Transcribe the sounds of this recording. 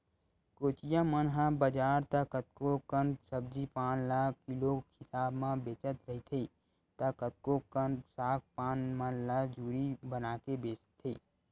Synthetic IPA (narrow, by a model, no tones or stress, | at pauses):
koːt͡ʃijamənɦãbəd͡ʒaːɾt̪akət̪̚kokənsəb̚d͡ʒipaːnlaːkʰːɪlohɪsaːbmãbeːt͡ʃət̪ɾəɦit̪ʰeː | t̪akət̪̚kokənsaːk̚paːnmanlaːd͡ʒuːɾibənaːkebeːt͡ʃə̥t̪ʰːeː